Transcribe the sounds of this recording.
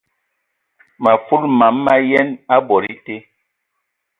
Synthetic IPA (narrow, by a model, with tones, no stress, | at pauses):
ma˨fu˦lma˨˦mːa˦jɛ˦na˦bɔ˨ɾi˦te˦